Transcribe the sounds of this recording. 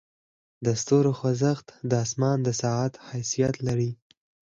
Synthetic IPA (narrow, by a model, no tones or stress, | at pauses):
d̪əst̪oɾoxwazəxt̪d̪əɑsmɑnd̪əsɑat̪hajsijat̪laɾi